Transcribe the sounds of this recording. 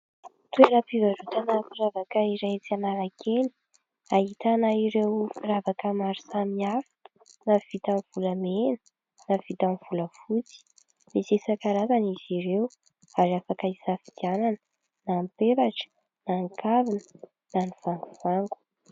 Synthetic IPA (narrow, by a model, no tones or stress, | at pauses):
t̪weɾəpivaɾut̪anafiɾavakəiɾet͡sianaɾakʰeni̥ | ahit̪anaiɾewfiɾavakəmaɾisamiafi̥ | nav̥it̪amv̥uləmenə̥ | nav̥it̪amiv̥uləfut͡si̥ | misisakaɾazaniziɾew | aɾiafakaisafi̥d̪iananə | naːmpeɾaʈ͡ʂə̥ | naːŋkavinə̥ | naniv̥aŋɡuv̥aŋɡu̥